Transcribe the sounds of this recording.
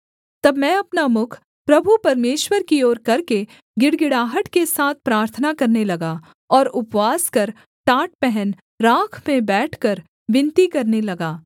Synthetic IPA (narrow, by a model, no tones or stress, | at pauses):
t̪ɐbmɛ̃ɐpnamʊkʰ | pɾɐbʱupɐɾmeːʃwəɾkioːɾkɐɾke | ɡɪɽɡɪɽaːɦəʈkesaːt̪̚ʰpɾaːɾt̪ʰənakɐɾnelɐɡaː | ɔːɾʊpʋaːskɐɾ | ʈaːʈ̚pɛɦɛn | ɾãːkʰmẽbɛːʈʰkɐɾ | ʋɪ̃nt̪ikɐɾnelɐɡaː